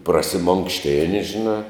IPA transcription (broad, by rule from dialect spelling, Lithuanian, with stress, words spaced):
prɐsʲɪmoːŋkʃʲˈtʲɪnʲɪ ʒʲɪˈnɑː